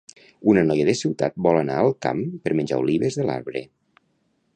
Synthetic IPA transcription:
unənɔjəðəsiwt̪a̰t̪̚bɔlənaəlˠka̰mpəɾmənʲd͡ʒa̰uliβəzðəla̰ɾβɾə̰

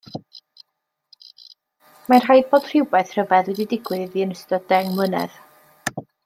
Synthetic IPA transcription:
mar̥ɦajd̚boːd̥r̥ɪwbajθr̥əvɛðwɛdidɪɡwɪðiənəstɔdɛŋmənɛ̰ð̥

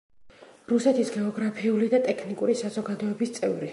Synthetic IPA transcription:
ɾusɛt̪ʰisɡɛɔɡɾapʰiulid̪at̪ʼɛkʰnikʼuɾisazɔɡad̪ɔɛbist̪sʼɛvɾi

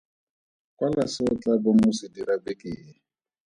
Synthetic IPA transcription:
kʼwalasɔt͡ɬʼabomʊsidiɾabekʼɪːɛ

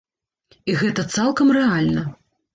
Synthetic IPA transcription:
iɣɛt̪ɐt̪salˠkɐmrɛalʲnɐ

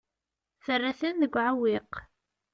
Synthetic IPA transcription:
θərːaθənðəɡʷːʕawiq

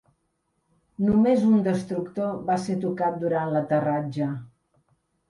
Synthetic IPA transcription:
numezund̪əst̪ɾukt̪oβaset̪ukat̪̚d̪uɾanlət̪ərad͡ʒə

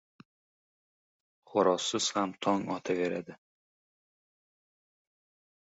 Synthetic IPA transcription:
χʊɾɒsːɪz̥hamt̪ʰɒŋɒt̪ʰaveɾa̰d̪ɪ

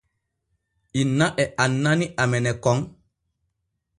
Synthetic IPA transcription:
inːaʔɛʔanːaniʔamɛnɛkɔŋ

